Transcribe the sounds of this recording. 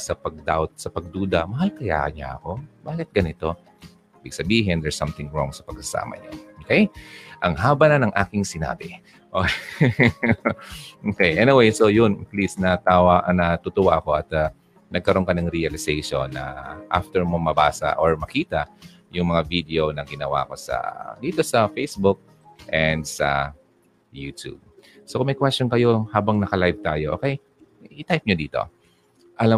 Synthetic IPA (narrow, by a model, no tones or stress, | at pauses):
sɐpɐɡ̚d̪awt̪̚sɐpɐɡ̚d̪uːd̪ɐmɐɦalkɐja̰ːʔɐ̰ɲɲa̰ʔɐ̰ko̞baːkɪt̪̚ɡɐnɪt̪o̞ | ɪbɪɡ̚sɐbiːɦɪnd̪ɛɹsɐmt̪ɪŋɹoŋsɐpɐɡ̥̚sɐsa̰ːmɐ̰ɲa̰ʔokɛjʔɐŋɦaːbɐnɐnɐŋʔaːkɪŋsɪna̰ːbɪ | ʔo | ʔokɛjʔɛnɪwejsojʊnplisnɐt̪awaʔnɐt̪ʊt̪ʊwaʔɐko̞ʔɐt̪ | nɐɡ̚kɐɾo̞nkɐnɐŋɾiɐlɪsejʃonːɐ̰ʔa̰ft̪ɛɹmomɐbaːsɐ̰ʔoɹmɐkiːt̪ɐ | jʊŋmɐŋavid̪eonɐɡɪnɐwa̰ʔɐko̞sɐ̰d̪iːt̪o̞sɐfejsbʊk̚ | ʔɛnd̪sɐ̰ | juːt̪ṵb̚ | sokʊŋmɐjkwɛstonkɐjo̞haːbɐŋnɐkɐlajv̚t̪aːjoʔoːkɛj | ʔɪt̪ajp̚ɲod̪iːt̪o̞̰ | ʔɐla